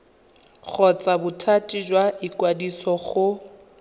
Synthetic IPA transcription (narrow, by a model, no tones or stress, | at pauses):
χɔt͡sʼabʊtʰatʼid͡ʒwaikʼwadisɔχʊ